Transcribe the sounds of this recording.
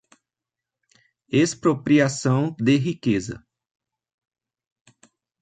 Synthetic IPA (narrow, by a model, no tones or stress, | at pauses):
espɾopɾiasɐ̃w̃d̪ɪɦikezɐ̰